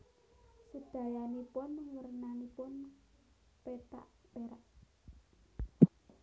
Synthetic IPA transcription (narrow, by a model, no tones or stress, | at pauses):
səd̪̥ä̤janipʊnwərnanipʊn | pet̪a̰ʔpeɾaʔ